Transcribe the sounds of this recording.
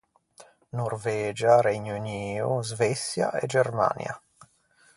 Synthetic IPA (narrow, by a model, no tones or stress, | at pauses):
norvɛːd͡ʒaɾɛɲuniːuzvɛsja̰ʔɛ̰d͡ʒerma̰nj̰a̰